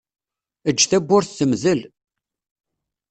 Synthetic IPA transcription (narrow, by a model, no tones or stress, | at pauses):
əd͡ʒːθæbːʊɾθθəmzəl